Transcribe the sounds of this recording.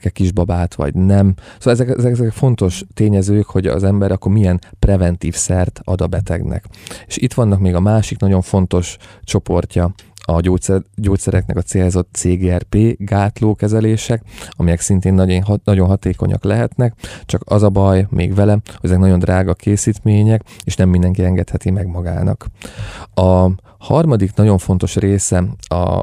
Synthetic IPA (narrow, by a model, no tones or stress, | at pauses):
kɛkiʒbɒbaːt̪ʋɒ̰ɟnɛmsolɛzɛkɛzkɛzɛkfo̞nt̪o̞ʃt̪eːɲɛzøːkho̞ɟɒ̰zɛmbɛɾɒkːormijɛnprɛvɛnt̪iːfsɛrt̪ɒ̰d̪ɒbɛt̪ɛ̰ɡnɛ̰keːʃit̪ʋɒnːɒkmeːɡɒmaːʃiknɒɟo̞ɱfo̞n̪t̪o̞ʃt͡ʃo̞po̞rcɒɒoːsɛɟoːt̪sɛɾɛknɛ̰kɒt̪seːlzo̞t̪seːɡeːɛrpeːɡaːt̪loːkɛzɛleːʃɛkɒmijɛksint̪eːnːnɒɟo̞nɦɒt̪eːko̞̰ɲʔɒ̰klɛɦɛt̪nɛkt͡ʃɒkɒzɒbɒjmḛːɡʋɛlɛhoɟɛzɛknɒɟjo̞nd̪raːɡɒkʰeːsiːt̪meːɲɛkeːʃnɛmːind̪ɛŋkiɛŋɡɛt̪hɛt̪imɛɡmɒɡa̰ːnɒ̰k | ɒ | hɒrmɒd̪iknɒɟo̞ɱfo̞n̪t̪o̞ʃreːsɛɒ̰